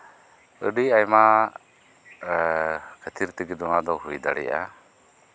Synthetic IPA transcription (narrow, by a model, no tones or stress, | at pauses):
əɖiajma | kʰət̪ʰiɾt̪iɡid̪ɔŋad̪ɔɦujd̪a̰ɽɛ̰ja̰